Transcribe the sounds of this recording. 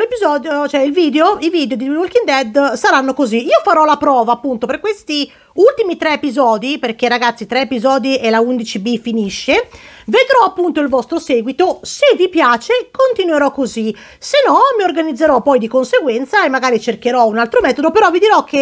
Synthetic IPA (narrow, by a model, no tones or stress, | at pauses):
lepizɔːd̪jot͡ʃoɛilviːd̪eoiviːd̪eod̪iulkind̪ɛd̪saɾanːokoziiːofaɾɔlapɾɔːvaːpːunt̪operkːwest̪i | ult̪imit̪ɾɛːpizɔːd̪iperk̟erːaɡat̪sːit̪ɾɛːpizɔːd̪ielaund̪it͡ʃibifiniʃːeved̪ɾɔapːunt̪oilvɔst̪ɾosɛːɡwit̪osevipjaːt͡ʃekont̪inweɾɔkːozi | senɔmiorɡanid̪zːeɾɔpɔjd̪ikonseɡwɛnt̪saemːaɡaːɾit͡ʃerk̟eɾɔunalt̪ɾomɛːt̪od̪opeɾɔvid̪iɾɔk̟e